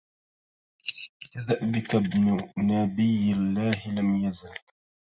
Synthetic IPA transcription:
kaðaʔbɪkabnʊnabɪjɪlːaːhɪlamjazal

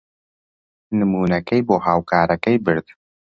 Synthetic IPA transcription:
nɨmuːnɐkʰɐjboːhaːwkʰaːɾɐkɐjbɨɾd̪̥

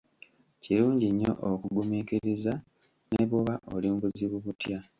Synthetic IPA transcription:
ciɾuːɲɟiɲːo̞̰ʔokuɡumeːkeɾeza | neβoβaʔo̞liːmbuziβuβutja

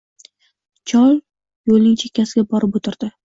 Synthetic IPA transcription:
t͡ʃʰɒlˠ | jolnɪŋt͡ʃʰe̞kʲːasɪɡʲabɒɾɪpot̪ʰɪɾd̪̥ɪ

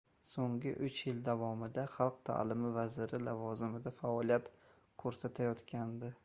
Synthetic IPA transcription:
soŋɡʲɪʔʊt͡ʃjɪld̪avɒmɪd̪aχɑlˠqt̪ʰa̰lɪmɪvazɪɾɪlavɒzɪmɪd̪afaɒlˠijat̪ | kʰɵɾsat̪ʰajɒt̪kʲand̪ɪ

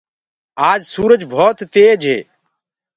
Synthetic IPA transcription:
aːd͡ʒsuːɾəd͡ʒbʱoːt̪ːeːd͡ʒɦḛː

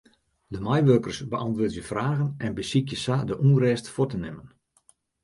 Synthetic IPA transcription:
dəmajʋøkərsbəʔɑntʋoːtjəfraːɣənɛnbəsikjəsadəʔurɛːstfʊtənɪmən

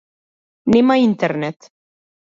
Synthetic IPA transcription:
nemaint̪eɾnet̪

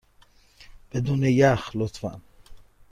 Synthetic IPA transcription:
b̥ed̪unejaχlot̪ʰva̰n

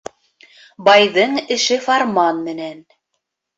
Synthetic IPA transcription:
bɑjðɤɴɘ̆ʃɘfɑɾmɑnmɘ̆næn

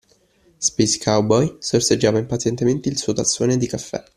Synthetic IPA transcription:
speskʰawbɔjsorsed͡ʒːaːvaimpat̪sjɛnt̪ement̪eilsuːot̪asːoːned̪ikafːɛ̰

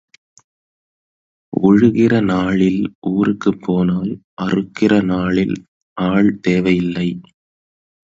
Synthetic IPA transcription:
ʔɔɻʊɣɪrɐnaːɭɪlʔuːrɯkːɯpːoːnaːlʔɐrɯkːɪrɐnaːɭɪl | aːɭt̪eːʋɐjɪlːɐɪ

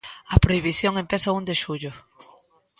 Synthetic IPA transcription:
ɐpɾoiβ̞iθjoŋempesɐund̪eʃuʎʊ

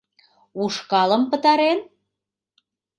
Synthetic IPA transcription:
uʃkɑlə̆mpə̆t̪ɑɾen

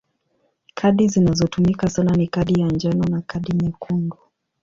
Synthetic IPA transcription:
kʰaɗizinazɔtumikasananikaɗijand͡ʒanɔnakaɗimɛkʰunɡu

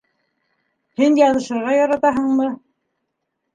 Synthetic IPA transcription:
hinjɑnɤ̆ʃɤ̆ɾʁɑjɑɾɑt̪ɑɦɤɴmɤ

